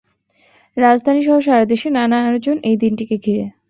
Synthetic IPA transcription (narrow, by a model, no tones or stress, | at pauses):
ɾad͡ʑd̪ʱaniʃɔɦoʃaɾad̪eʃenanaaɾod͡ʑonʔejd̪inʈikeɡʱiɾe